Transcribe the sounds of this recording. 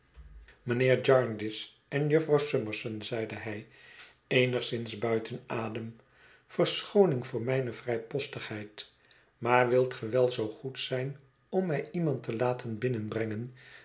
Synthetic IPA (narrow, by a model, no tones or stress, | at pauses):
mənɪːɹd͡ʒɑɹndɪs | ʔɛnjɵfrɑwsɵməɹsənzɛjdəɦɛj | ejnəχsɪnzbœɥtʰənaːdəm | fəɹsχownɪŋvʊːɹmɛjnəvrɛjpɔstəχɦɛjt | maːɹʋɪlˠtχəʋɛlˠzowχutsɛjn | ɔmːɛjimɑntəlaːtʰənbɪnənbrɛŋən